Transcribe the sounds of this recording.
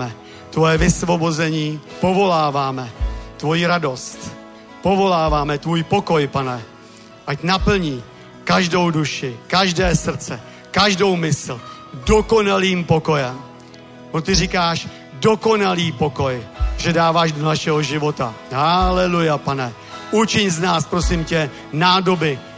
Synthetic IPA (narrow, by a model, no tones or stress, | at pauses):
ɛ | t̪vo̞jɛvɪsvo̞bo̞zɛɲiːpo̞vo̞laːvaːmɛt̪vo̞jiɾado̞st̪ | po̞vo̞laːvaːmɛt̪vuːjpo̞ko̞jpanɛ | ʔacnapl̩ɲiː | kaʒdo̞wduʃɪkaʒdɛːsr̩t͡sɛ | kaʒdo̞wmɪsl̩ | do̞ko̞naliːmpo̞ko̞jɛm | ont̪ɪrikaːʃ | do̞ko̞naliːpo̞ko̞jʒɛdaːvaːʒdonaʃɛɦo̞ʒɪvo̞t̪aɦalɛlujɛpanɛ | ʔut͡ʃɪɲznaːspɾo̞sɪmcɛ | naːdo̞bɪ